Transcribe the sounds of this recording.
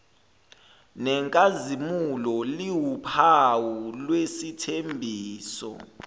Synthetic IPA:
nɛŋkʼazimulɔliwupʰawulwesitʰembʱiːsɔ̰

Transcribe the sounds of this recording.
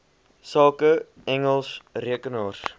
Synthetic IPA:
sɑːkə | ɛŋəlˠsriəkənɑːr

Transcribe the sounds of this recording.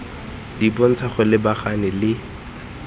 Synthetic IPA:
dipon̩t͡sʰaχʊlɪbaχanɪlɪ

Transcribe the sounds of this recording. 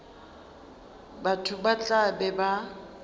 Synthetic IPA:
batʰʊbat͡ɬʼabɛba

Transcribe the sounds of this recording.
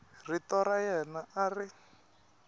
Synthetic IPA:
ritɔɾajɛnaari

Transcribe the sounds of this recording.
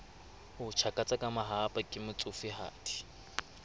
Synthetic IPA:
hʊt͡ʃʰakʼat͡sʼakʼamaɦapʼakʼɪmʊt͡sʼʊfɪɦa̰ːtʰʼi̥

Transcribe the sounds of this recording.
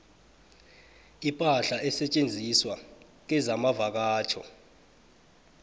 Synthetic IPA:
ipʼaɬaʔɛsɛt͡ʃʼend͡zʱiswa | k̬ɛzamavak̬aːt͡ʃʰɔ̰

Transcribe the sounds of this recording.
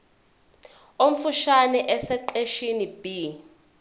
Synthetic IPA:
om̩fuʃanɛʔɛsɛǃeʃinib̥i

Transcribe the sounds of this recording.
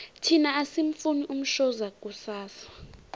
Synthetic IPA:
tʰinaasiɱfuniʔum̩ʃɔzakʼusaːsḁ

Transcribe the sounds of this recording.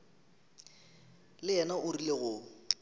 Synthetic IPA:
lɪɛnaʔʊrileɣʊ

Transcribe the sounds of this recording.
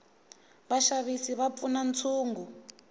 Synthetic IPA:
βaʃaβisiβap̪funant͡sʰuːŋɡu

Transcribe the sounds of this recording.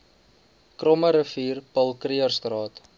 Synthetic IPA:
krɔməɾəfiːrpəlˠkriərstrɑːt

